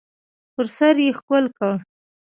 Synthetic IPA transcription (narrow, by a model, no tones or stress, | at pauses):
pʊɾsaɾjexkəlka